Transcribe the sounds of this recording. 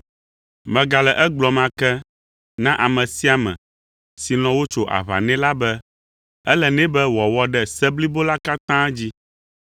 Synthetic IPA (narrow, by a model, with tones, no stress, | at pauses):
mɛ̃˨ɡa˨lɛ˨ʔɛ˦ɡ͡blɔ˨mã˦kɛ˦ | nã˦ʔa˨mɛ̃˨si˦a˨mɛ̰̃˨ | si˨lɔ̃˨wo˦t͡ʃo˦ʔa̰˨βa̰˨nɛ̃˦la˦bɛ˦ | ɛ˦lɛ˨nɛ̃˦bɛ˦wɔ˨wɔ˨ɖɛ˨sɛ˦bli˦bo˦la˦ka˦t̪ã˦d͡ʑi˦